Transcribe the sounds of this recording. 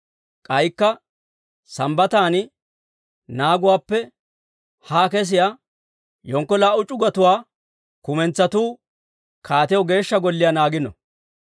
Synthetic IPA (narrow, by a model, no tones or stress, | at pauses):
kʼɐjkːɐ | sɐmbɐt̪aːnɪ | naːɡʊwaːpːɛ | haːkɛs̬ɪja | jɔŋkːɔlaːʔʊt͡ʃʼʊɡɐt̪ʊwaː | kʊmɛnt͡sːɐt̪uː | kʰaːt̪ɛjɔɡe̞ːʃːɐɡɔlːɪjanaːɡɪnɔ̰